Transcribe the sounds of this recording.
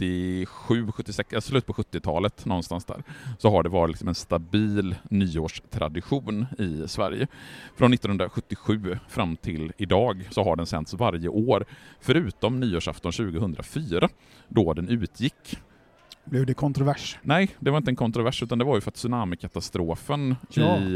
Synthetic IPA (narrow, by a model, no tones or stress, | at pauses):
t̪ːɪɧʉ̟ːɧɵt̪ːɪsɛksɛslʉ̟ːt̪pɔɧɵt̪ːɪt̪ʰɑːlət̪nɔnst̪ansd̪æ̰ːɾsɔɦaɖɛvɑːɾɪt̪lɪksɔmɛnst̪abiːlnyːoːʂt̪ʰɾa̰d̪ɪɧuːnɪsvæ̰ɾjəfɾʔɔnːɪt̪ːnhɵnd̪ɾaɧɵt̪ːɪɧʉ̟ːfɾamːt̪ʰɪlɪd̪ɑːɡsɔɦaɖɛnsɛ̰nt̪svaɾjə̰ʔoːɾfœɾʉ̟ːt̪ɔmnyːoːʂa̰ft̪ɔnɕʉ̟ːɡəɦɵnd̪ɾʔa̰fyːɾa | d̪ɔd̪ɛnʉ̟ːt̪ʰjɪkː | blɛvd̪ɛkʰɔnt̪ɾʊvæʂnɛjd̪ɛvaɾɪnt̪əɛnkʰɔnt̪ɾʊvæʂʉ̟ːt̪and̪ɛvaɾjɵfœɾat̪sɵnaːməkʰat̪ast̪ɾoːfənɪ